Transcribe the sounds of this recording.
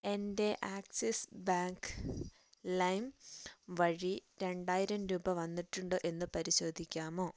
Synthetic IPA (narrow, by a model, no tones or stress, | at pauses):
e̞nde̞ʔaːksesbaːŋk | lɐjmʋɐɻiɾe̞ɳɖaːjiɾɐmɾuːbɐʋɐnːiʈːuɳɖoːʔe̞nːɨpɐɾiɕo̞ːd̪ʱikʲːaːmo̞ː